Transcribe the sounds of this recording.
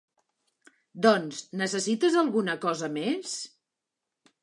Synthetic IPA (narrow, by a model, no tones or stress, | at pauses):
d̪ɔnznəsəsit̪əzəlˠɣunəkɔzəmes